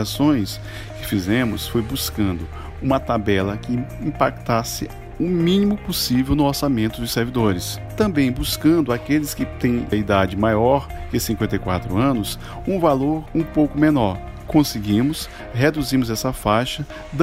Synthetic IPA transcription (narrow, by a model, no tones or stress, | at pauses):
sõj̃s | kɪfizẽmʊsfojbuskɐ̃nd̪ʊ | ũmɐt̪abɛlɐkɪĩpakt̪asɪ | ʊmĩnimʊpʊsivewnʊoɾsamẽnt̪ʊd̪ʊseɾvid̪oɾɪst̪ɐ̃mbẽj̃buskɐ̃nd̪ʊakelɪskɪt̪ẽj̃ɐid̪ad͡ʒɪmajɔɾkɪsĩŋkwẽnt̪̬ejkwat̪ɾʊɐ̃nʊs | ũvaloɾũpowkʊmenɔɾ | kõsɪɡĩmʊs | ɦed̪uzĩmʊzɛsɐfajʃɐ | d̪